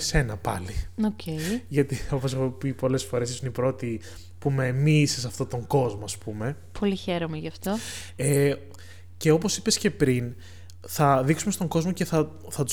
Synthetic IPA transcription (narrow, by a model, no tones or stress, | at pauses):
se̞nɐpɐ̰liocʰeʝɐt̪io̞posexopipo̞le̞sfo̞ɾe̞sisunipɾo̞t̪i | pume̞miːsesɐft̪o̞t̪o̞ŋɡo̞zmoɐspume̞ | pʰo̞liçeɾomeʝɐft̪o̞ | e | ce̞opo̞si̥pe̞sce̞pɾin | θɐðiksumest̪o̞ŋɡo̞zmo̞ce̞θɐ | θɐt̪u